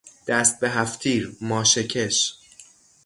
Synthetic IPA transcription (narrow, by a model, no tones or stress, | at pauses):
d̪̥æst̪̚be̞ɦæft̪ʰiːɾmɒːʃecʰeʃ